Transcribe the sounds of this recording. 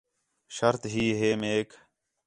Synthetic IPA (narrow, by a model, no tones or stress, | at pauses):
ʃəɾt̪ɦiːɦeːmeːk